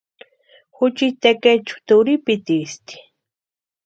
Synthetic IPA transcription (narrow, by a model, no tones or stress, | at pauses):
xʊt͡ʃit̪eket͡ʃu̥t̪uɾipit̪ist̪i̥